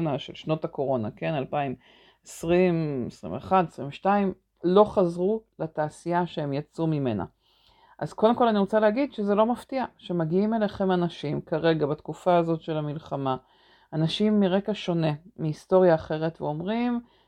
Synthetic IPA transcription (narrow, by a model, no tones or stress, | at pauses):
naʃḛlʃno̞tako̞ʁo̞na̰ke̞nalpaim | esʁimesʁḭmveeχad̪esʁḭmveʃtaim | lo̞χazʁulataːsijaʃeemjat͡sumime̞na̰ | ʔazkode̞mko̞laniʁot͡salehaɡid̪ʃezelo̞maftiaʃemaɡiime̞leχe̞manaʃimkaʁe̞ɡabatkufaːzo̞tʃe̞lamilχama | anaʃimːiʁe̞kaʃo̞ne̞miisto̞ʁjaːχe̞ʁe̞tveo̞mʁim